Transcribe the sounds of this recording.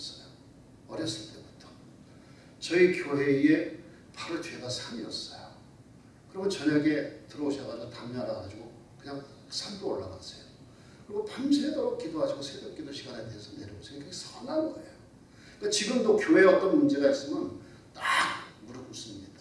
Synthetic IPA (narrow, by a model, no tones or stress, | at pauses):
s͈ʌjo | ʌɾjʌs͈ɯɭt͈e̞bu̥tʰʌ̥ | t͡ɕʌikjoɦe̞ie̞ | paɾut͡ɕwe̞ɡasʰamiʌs͈ʌjo | kɯɾʌmjʌnt͡ɕʌɲaɡe̞tɯɾʌoɕʰʌɡaotamɲʌɦadaɡad͡ʑiɡo | kɯɲaŋ | sʰamdoːɭːaɡa̰s͈ʌjo | kɯɾiɡopamsʰedoɾok̚k͈idoɦad͡ʑiɡosʰedʌk͈idoɕʰiɡaneteesʰʌne̞ɾjʌbos͈ejkesʰʌnanɡʌḛjo | kat͡ɕiɡɯmdokjoɦe̞ʌt͈ʌnmund͡ʑe̞ɡais͈ɯmjʌn | tamuɾɯɡus͈ɯmɲid̥a